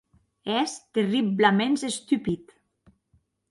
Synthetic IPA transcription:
ɛst̪eriblamenzest̪ypit̪

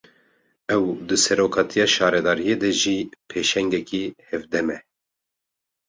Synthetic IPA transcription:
ɛwd̪ɨsɛɾoːkʰɑːt̪ʰijɑːʃɑːɾɛd̪ɑːɾijed̪ɛʒiːpʰeːʃɛŋɡɛkihɛvd̪ɛmɛ

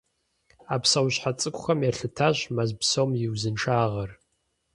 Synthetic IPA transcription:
apʰsɐwɕħat͡sʼɨkʷʼχɐmjɛrɬɨtʰaɕmazbsowmjɪwzɨnʈ͡ʂʰaːʁɐr

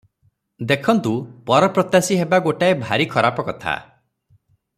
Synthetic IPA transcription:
d̪ekʰɔnt̪upɔɾɔpɾɔt̪jasiɦebaɡoʈaebʱaɾikʰɔɾapɔkɔt̪ʰa̰

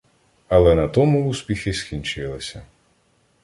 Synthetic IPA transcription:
ɐlˠɛnɐt̪ɔmuuspʲixɪskʲinʲt͡ʃɪlˠɪsʲɐ

